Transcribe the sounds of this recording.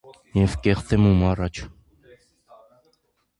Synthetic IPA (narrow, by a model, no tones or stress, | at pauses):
jɛvkɛχt̪ɛmumɑrɑt͡ʃʰ